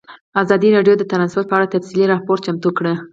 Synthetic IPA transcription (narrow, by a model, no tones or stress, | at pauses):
azɑd̪iɾɑɖjod̪ət̪ɾɑnspoɾ̚pəaɽat̪afsiliɾɑhpoɾt͡ʃamt̪ukɽə